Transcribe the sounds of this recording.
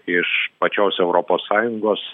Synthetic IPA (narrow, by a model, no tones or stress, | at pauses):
ɪʃpɐt͡ʃʲoːsɛʊɾoːpoːsːɑːjʊŋɡoːs